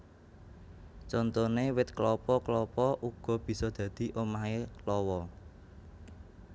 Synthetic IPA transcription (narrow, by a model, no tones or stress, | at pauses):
t͡ʃɔnt̪onewɪt̪klɔpɔklɔpɔʔuɡ̥ɔ̤b̥i̤sɔd̪̥ä̤d̪̥i̤ʔomaɦelɔwɔ